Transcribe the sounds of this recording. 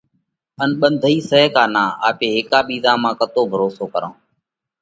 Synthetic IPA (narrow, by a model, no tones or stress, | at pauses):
ənɓənd̪ʱiːsəɦkaːnaːa̰ːpeːɦɪkaːɓiːzãːmãːkət̪oːbʱəɾoːsoːkəɾõː